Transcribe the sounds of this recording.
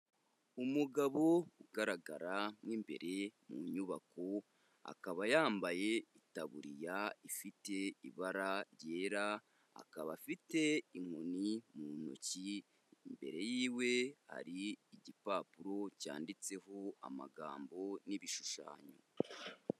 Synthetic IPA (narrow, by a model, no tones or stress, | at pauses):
umuɡaβo̞uɡaɾaɡaɾamŋiːmbe̞̰ɾʔe̞muɲuβako̞ | a̰kaβajaːmbaje̞itaβuɾijaifite̞ḭβaɾaɾjɟeɾa | a̰kaβafite̞iŋ̥onimuno̰ci | mbe̞̰ɾe̞jiːwe̞ha̰ɾiːɟipaːpuɾo̞ca̰ːndit͡se̞ɦo̞a̰ma̰ɡa̰ːmbo̞niβiʃu̥ʃa̰ːɲo̰